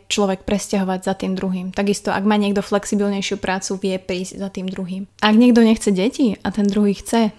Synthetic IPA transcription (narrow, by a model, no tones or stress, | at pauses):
t͡ʃlɔʋɛk̚pɾɛscaɦɔʋaɟzat̪iːmd̪ɾuɦiːmt̪aɡist̪ɔʔa̰ɡmaːɲɪɛɡd̪ɔflɛksibilɲɛjʃɪupɾaːt͡suʋɪɛpɾiːzɟzat̪iːmd̪ɾuɦiːmaaɡɲɪɛɡd̪ɔɲɛxt͡sɛɟɛciat̪ɛnd̪ɾuɦixt͡sɛ